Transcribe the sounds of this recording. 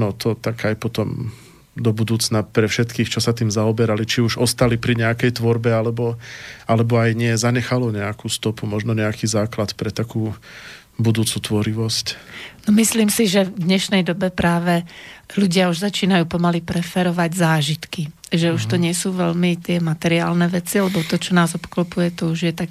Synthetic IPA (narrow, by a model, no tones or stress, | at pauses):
nɔt̪ʰɔt̪akajpɔt̪ɔm | d̪ɔbud̪uːt͡snapɾɛfʃɛt̪kiːxt͡ʃɔsat̪iːmzaɔbɛɾalit͡ʃiuʒɔst̪alipɾiɲɛakɛjt̪ʋɔɾbɛalɛbɔalɛbɔajɲɪɛzaɲɛxalɔɲɛakuːst̪ɔpumɔʒnɔɲɛakiːzaːklat̪pɾɛt̪akuː | bud̪uːt͡sut̪ʋɔɾiʋɔscnɔmisliːmsiʒɛvd̪ɲɛʃnɛjd̪ɔbɛpɾaːʋɛluɟɪauʒzat͡ʃiːnajuːpɔmalipɾɛfɛɾɔʋaɟzaːʒit̪kiʒɛuʃt̪ɔɲɪɛsuːʋɛʎmit̪ɪɛmat̪ɛɾiaːlnɛʋɛt͡sialɛbɔt̪ɔt͡ʃɔnaːzɔpklɔpujɛt̪ɔuʒjɛt̪ak̚